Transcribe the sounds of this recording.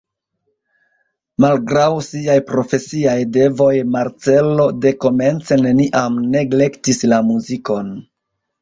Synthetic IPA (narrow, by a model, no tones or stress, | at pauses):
malɡɾawsiajpɾo̞fe̞siajde̞vo̞jmaɾt͡se̞lo̞de̞ko̞me̞nt͡se̞ne̞niʔamne̞ɡle̞ktislamuziko̞n